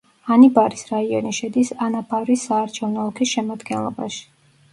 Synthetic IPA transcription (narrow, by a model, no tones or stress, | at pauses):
anibaɾisɾaiɔniʃɛd̪isanapʰavɾisːaːɾt͡ʃʰɛvnɔlˠkʰisʃɛmad̪ɡɛnlˠɔba̰ʃi̥